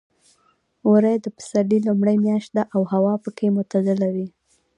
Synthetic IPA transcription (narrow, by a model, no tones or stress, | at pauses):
ɾajd̪əpə̥salilumɽəjmjɑʃt̪̚d̪aʔawhawɑpəkemot̪azalawi